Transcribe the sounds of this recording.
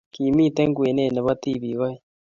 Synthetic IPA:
kiː˨mi˦˨te˦ŋɡwe˨ne˦˨ne˨βa˦t̪iβi˨βa˦e

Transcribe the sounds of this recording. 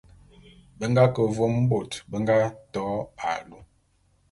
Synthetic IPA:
bə˦ŋɡa˦kə˨vo˦m˦bo˨tbə˦ŋɡa˦tɔ˨˦a̰˨lu˦

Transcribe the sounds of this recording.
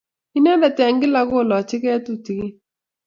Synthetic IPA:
i˦nɛ˦dɛ˨tɛ˨ŋɡɪ˦la˨kʊ˦˨lɔ˨t͡ʃɪ˦kɛ˦tu˦ti˨ki˦

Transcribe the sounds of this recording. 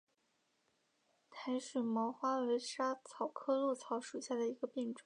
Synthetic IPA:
t̪ʰa˧˥ɪʂu˨˩mɑ˧˥ʊxwa˥we˧˥ʂa˥t͡sʰɑ˨˩ʊkʰɤ˥lu˥˩t͡sʰɑ˧˥ʊʂu˨˩ɕja˥˩d̪ə˩i˧˥ɡə˧pi˥˩ŋʈ͡ʂə˨˩˦

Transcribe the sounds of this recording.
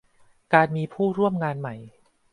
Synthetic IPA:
kaː˧nmiː˧pʰuː˥˩ɾu˥˩əmŋaː˧nma˨˩j

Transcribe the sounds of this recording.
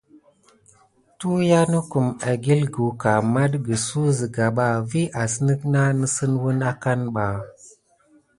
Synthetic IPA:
tu˦ja˦nə˦ku˨ma˨ɡi˦lɡu˨ka˨ma˦dɡə˨su˦zi˨ɡa˨ɓa˦˨vi˦ʔa˨sə˦nə˦kna˦nə˦sə˦nwu˦na˦ka˦nɓa˨

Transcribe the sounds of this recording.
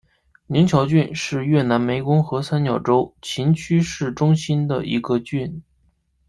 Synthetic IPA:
ni˧˥ŋt͡ɕʰjɑ˧˥ʊt͡ɕy˥˧nʂɻ̩˥˧ɥɛ˥˩na˧˥nme˧˥ɪkʊ˥ŋxɤ˧˥sa˥nt͡ɕjɑ˨˩ʊʈ͡ʂo˥ʊt͡ɕʰi˧˥nt͡ɕʰy˥ʂɻ̩˥˩ʈ͡ʂʊ˥ŋɕi˥nd̪ə˨ḭ˧˥ɡə˧t͡ɕy˥˩n

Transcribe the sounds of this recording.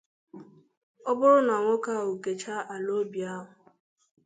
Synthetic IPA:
ɔ˦bʊ˦ɾʊ˦na˨ŋʷʊ˦ka˦˨ɦu˨ke˨t͡ʃa˦ʔa˨lo˦bi˨a˦ɦʊ˨

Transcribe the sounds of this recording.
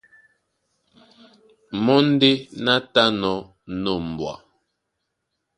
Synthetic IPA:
mɔ˦n̩˦de˦na˦ta˦nɔ˨˦ | no˨m̩˨bwa̰˨

